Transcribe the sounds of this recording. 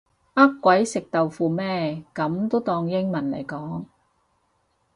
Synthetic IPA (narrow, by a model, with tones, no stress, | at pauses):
ʔɐ˥kːʷɐ˨˥jsɪ˨k̚t̪ɐ˨wfuː˨˧mɛː˥kɐ˨˥mt̪o˥wt̪ɔː˧ŋjɪ˥ŋmɐ˨˩nlɐ̰˨˩jkɔː˨˥ŋ